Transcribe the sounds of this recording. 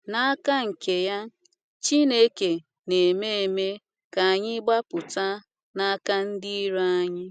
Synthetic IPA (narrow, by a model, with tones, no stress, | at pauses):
na˦a˦ka˦ŋ̩˨ke˨ja˦ | t͡ʃi˦ne˦ke˨ | ne˨me˦e˨me˦ | ka˨a˨ɲɪ˦ɡ͡ba˦pʊ˨ta˦ | na˦ka˦n̩˦di˦i˦ɾo˦a˦ɲɪ˦